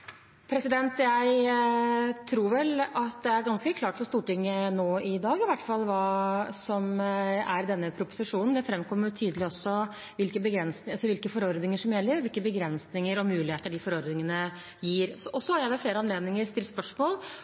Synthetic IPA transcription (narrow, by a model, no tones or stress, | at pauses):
pʰɾɛsɪd̪ɛnt̪jæɪ | t̪ʰɾuːɾʋɛlɑt̪̚d̪ɛæɾɡɑnskəkʰlɑːʈfɔʂt̪uːʈɪŋːənoːɪd̪ɑːɡɪʋæʈːfɑlːʋɑːsɔmæɾd̪ɛnːəpʰɾʊpʊ̥sɪʂuːnn̩d̪ɛfɾɛmkʰɔmːət̪ʰyːd̪əlɪɔsːɔ | ʋɪlkəbəɡɾɛnsɑsɔʋɪlkəfɔɾɔɾd̪nɪŋəʂɔmjɛlːəɾʋɪlkəbəɡɾɛnsnɪŋəɾɔmʉːlɪheːt̪əɖɪfɔɾɔɾd̪nɪŋənə | jiːɾsɔʔɔsːɔhɑɾjæɪʋɛlfleːɾəɑnleːd̪nɪŋəɾst̪ɪlːspœʂmoːl